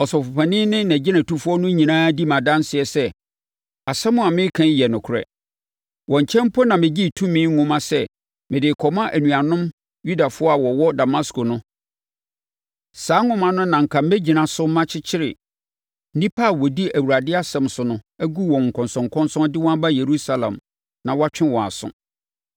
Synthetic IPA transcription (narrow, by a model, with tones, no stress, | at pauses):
ɔ˨sɔ˨fʊ˨pʰa˨nɪ̃˦nɪ̃˦næ̃˨d͡ʑɪ˦nã˨tʰu˦fʊ˦ɔ˦nʊ̃˦ɲĩ˨nãː˦di˦mã˨dã˦n˦sɪ˨ɛ˨sɛ˦ | a˨sɛ˦mʊ̃˦a˨mɪ̃˦kʰã˦ɲ˦jɛ˨nʊ̃˨kʰʊ˨ɾɛ̰˨ | wɔ̃˨ɲ˨t͡ɕʰɛ̃˦m˦pʰɔ˦nã˨mɪ̃˨d͡ʑi˦˨tʰũ˦mĩː˦ŋ̩˦ŋʊ̃˦mã˦sɛ˦ | mɪ̃˨dɪ˨kʰɔ˨mã˦ʔæ˨nũ˨a˨nʊ̃˦m | ju˦da˨fʊ˦ɔ˦a˨wɔ˨wɔ˦da˨ma˦sko˨nʊ̃˦ | saː˨˦ŋʊ̃˦mã˦nʊ̃˦nã˨ŋ̩˨kʰa˨m̩˦æ˦d͡ʑi˨nã˨sʊ˦m˦mã˦t͡ɕʰɪ˦t͡ɕʰɪ˦ɾɪ˨˦ | nĩ˦pʰa˦a˨wɔ˨di˦æ˨wu˨ɾa˨dɪ˦a˦sɛ̃˨msʊ˨nʊ̃˦æ˦ɡu˦wɔ̃˨ŋ̩˨kʰɔ̃˨nsɔ̃˨ŋkʰɔ̃˦nsɔ̃˦ndɪ˦wɔ̃˦a˦ba˦je˨ɾu˦sa˦lã̰˨m | nã˨wa˦t͡ɕᶣɪ̃˦wɔ̃˨a̰˨sʊ̰̃˦